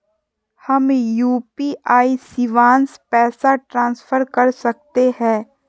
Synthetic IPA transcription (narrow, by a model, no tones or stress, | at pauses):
hɐmjuːpiʔaːisiʋãːnspɛːsaʈɾãːnsfʰəɾkɐɾsɐk̚t̪ehɛ̃ː